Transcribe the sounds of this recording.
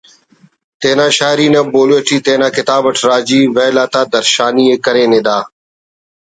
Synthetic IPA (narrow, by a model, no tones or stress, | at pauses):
t̪eːnãːʃaːɪɾiːnãːboːleːʈiːt̪ẽːnãːkɪt̪aːbəʈʰɾaːd͡ʒiːʋeːlaːt̪aːd̪əɾʃaːniːeːkəɾeːnɪ̃ːd̪aː